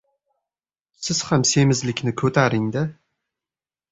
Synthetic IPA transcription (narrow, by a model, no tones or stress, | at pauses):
sɪz̥hamse̞mɪzlɪkʲnɪkʰɵt̪ʰaɾɪŋd̪a